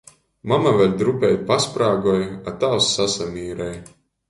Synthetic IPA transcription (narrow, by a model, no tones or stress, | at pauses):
mamavɛlʲd̪ɾupʲɛj̪̚paspɾaːɡɔjat̪awsːasamiːɾɛj